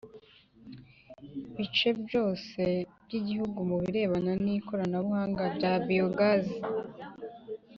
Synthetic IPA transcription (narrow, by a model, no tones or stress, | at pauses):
βit͡ʃe̞bɟo̞ːse̞bɟiɟihuɡumuβiɾe̞ːβananiko̞ɾanaβuhaːŋɡabɟabioɡazi